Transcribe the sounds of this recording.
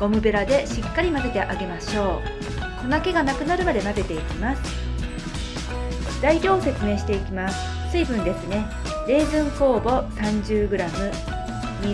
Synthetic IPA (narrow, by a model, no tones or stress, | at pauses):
ɡ̥o̞mɯ̟be̞ɾad̪e̞ɕikːaɾʲimab̪e̞t̪e̞ʔaɡe̞maɕo̞ː | sonake̞ɡanakɯ̟naɾɯ̟mad̪e̞mabe̞t̪e̞ikʲimasɨ̥ | d̪̥aiɾʲo̞ːse̞t͡sɨme̞ːɕi̥t̪e̞ikʲimasɨ̥ | sɨibɯ̟̃nd̪e̞sɨne̞ | ɾe̞ːzɨ̃ŋko̞ːbo̞sãɲ̟d͡ʑɨːɡɯ̟ɾamɯ̟ | ɲi